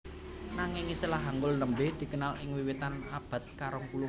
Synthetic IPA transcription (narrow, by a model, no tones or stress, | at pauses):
naŋɪŋist̪ilaɦaŋɡʊlnəmbɪhd̪̥i̤kənalɪŋwiwit̪anab̥a̤t̪̚kaɾɔŋpulu